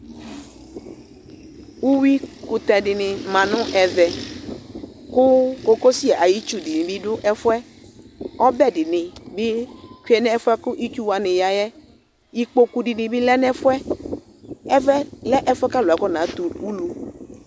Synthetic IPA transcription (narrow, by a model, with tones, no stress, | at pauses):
wu˦wi˦kʊ˨t̪ɛ˨dɪ˨nɪ̃˨mã˨nʊ̃˦ʔɛ˨vɛ˨ | kʊ˦ko˦ko˦si˦a˨ʔa˨ji˦t͡ʃu˦di˨nɪ̃˨bi˦ɖʊ˦ʔɛ˦fʊ˦ɛ˦ | ɔ˦bɛ˦dɪ˨nɪ̃˨bɪ˦ki˦ɛ˨nɛ̃˦ɛ˦fʊ˦ɛ˦kʊ˦ʔi˦t͡ʃu˦wa˨nɪ̃˨ja˨jɛ˦ | i˦k͡po˦ku˨ɖi˨nɪ̃˨bɪ˦lɛ˦nɛ̃˦fʊ˦ɛ˦ | ɛ˦vɛ˦lɛ˦ʔɛ˦fɛ˦ka˦lʊ˨ɛ˨kɔ˦nã˨˦t̪u˨u˦lu˨